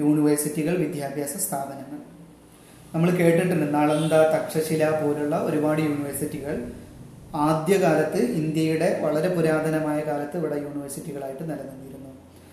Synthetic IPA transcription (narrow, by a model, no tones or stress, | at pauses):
juːɳiʋɐrsitːiɣɐɭʋid̪ʱjaːbʱjaːsɐst̪ʰaːb̪ʱɐnɐŋːɐɭ | nɐmːɐɭke̞ːʈːiʈːumenːaːɭend̪aːt̪ɐkʂɐɕilaːpo̞ːluɭːɐo̞ɾubaːɽɨjuːniʋɐrsitːiɣɐɭ | aːd̪jɐkaːlɐt̪ːɨind̪jɐjuɽe̞ʋɐɭɐɾe̞puɾaːd̪ʱɐnɐmaːjɐkaːlɐt̪ːɨiʋiɽɐjuːɳiʋɐrsitːiɣɐɭaːjiʈːɨnɐlɐnːɐnːijɾunːu